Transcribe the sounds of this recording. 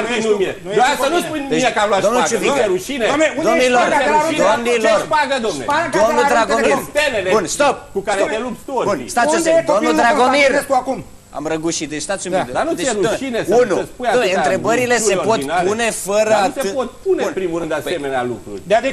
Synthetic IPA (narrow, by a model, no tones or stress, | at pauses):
inumie | oasanuspujeiekavlad̪omnuuvieɾuʃineed̪oniloreɾuid̪omnileosrpaɡəd̪omnḛad̪o̞mnud̪ɾaɡomit̪elelebunst̪op̚kukaɾet̪elupst̪ounst̪at̪susd̪omud̪ɾaɡomirkum | a̰mɾəɡuʃit̪̚d̪et͡ʃst̪at̪sjumed̪d̪anud̪eeuʃinesunuspujaomeeɨnt̪ɾe̞bəɾile̞se̞po̞t̪napune̞fəɾəaepot̪punenpɾimuɾɨnd̪asemenea̰lṵkɾṵrʲe